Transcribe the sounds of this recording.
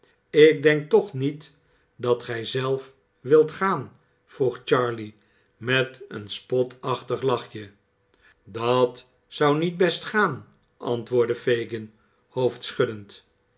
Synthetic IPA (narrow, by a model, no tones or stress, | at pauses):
ɪk̚dɛŋk̚tɔχnit | dɑtχɛjzɛlˠf | ʋɪlˠtχaːn | v̥ruχt͡ʃɑɹli | mɛtə̰nspɔtʰɑχtəχlɑχjə | dɑt | sʌwnid̚bɛstχaːn | ʔɑ̰ntʋʊːɹdəfejɡən | howftsχɵdənt